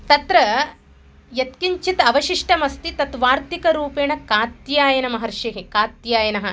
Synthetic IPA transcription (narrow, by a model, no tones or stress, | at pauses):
t̪ɐt̪ɾɐ | jɐt̪kiɲt͡ʃit̪ɐʋɐʃiʂʈɐmɐst̪it̪ɐt̪ʋaːɾt̪ikɐɾuːpeːɳɐkaːt̪jaːjɐnɐmɐɦɐɾʃjɐɦekaːt̪jaːjɐnɐɦɐ̆